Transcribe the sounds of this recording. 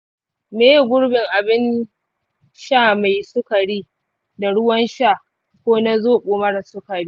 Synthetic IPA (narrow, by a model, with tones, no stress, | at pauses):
meː˦jɡʷʊ˦ɽbɪ˨ŋʔa˨bɪ˦n | ʃaː˦˨ma˨jsʊ˦kɐ˨ɽiː˦ | da˨ɽʊ˦wɐ˦nʃa˦˨ | kʷoː˦na˦zoː˦˨ɓoː˨mɐ˦ɽa˨sʊ˦kɐ˨ɽiː˦